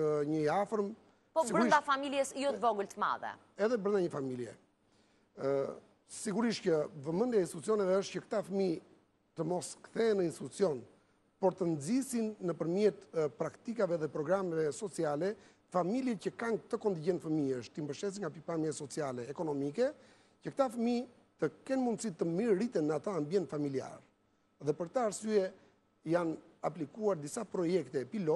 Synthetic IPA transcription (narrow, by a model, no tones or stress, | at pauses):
ɲəafəɾm | pɔbsiɡɾɾidafamiljɛsjɔt̪vɔɡəlt̪əma̰ðɛ̰ | ɛðɛbɾənd̪aɲəfamiljɛ̰ | siɡuɾiʃt̪cəvəmənd̪jainst̪it̪ut͡siɔnɛvɛəʃt̪̚cəkt̪afəmi | t̪əmɔskθɛnəinst̪it̪ut͡siɔn | pɔɾt̪ənd͡zisinːəpəɾmjɛt̪pɾakt̪ikavɛðɛpɾɔɡɾamɛvɛsɔt͡sialɛ | familjicəkankt̪əkɔnd̪iɟɛnfəmiəʃt̪imbəʃt̪ɛs̬iŋɡapipamjasɔt͡sialɛːkɔnɔmikɛ | cək̚t̪afəmi | t̪əkɛnmund̪sit̪ːəmiɾit̪ɛnəat̪aːmbjɛnt̪familia̰ɾ | ðɛpəɾt̪əːɾsyɛ | jan | aplikuaɾd̪isapɾɔjɛkt̪ɛpilɔ